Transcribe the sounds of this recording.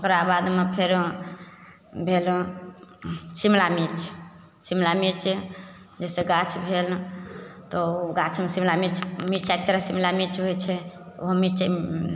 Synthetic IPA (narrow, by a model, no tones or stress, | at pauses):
okɾabad̪mepʰeɾ | bʱel | simlamiɾt͡ʃʰ | simlamiɾt͡ʃʰ | d͡ʒeseɡat͡ʃʰbʱel | t̪ɔɡat͡ʃʰmesimlamiɾt͡ʃʰmiɾt͡ʃak̚t̪eɾasimlamiɾt͡ʃɦojt͡ʃʰɛt̪oɦmiɾt͡ʃ